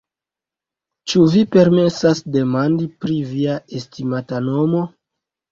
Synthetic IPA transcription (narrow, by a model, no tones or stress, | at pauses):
t͡ʃuvipe̞ɾme̞sasde̞mandipɾiviaestimatano̞mo̞